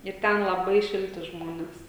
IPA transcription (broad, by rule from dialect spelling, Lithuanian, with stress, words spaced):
ɪr ˈtʲɛn lˠɐˈbɐɪ ˈʃʲɪlʲtʲɪ ˈʒmoːnʲɛs